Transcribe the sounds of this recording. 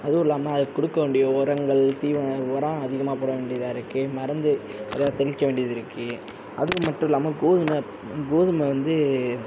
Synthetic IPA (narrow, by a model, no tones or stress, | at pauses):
ɐðɯɪlːaːmnãːɐðɯkːʊɽɯkːɐʋeːɳɖɪjoɔɾɐŋɡɐɭt̪iːʋɐɔɾãːɐðɪɣɐmaːpoːɽɐʋeːɳɖɪjɐðaːɪɾɯkːɯmɐɾɐnd̪ɯɐ̰ðɐt̪ɛlɪkːɐʋeːɳɖɪjɐðɪɾɯkːɯ | ɐðɯkːɯmɐʈːɯ̃ɪlːaːmɐɡoːðɯmɐ | ɡoːðɯmɐʋɐnd̪ɯ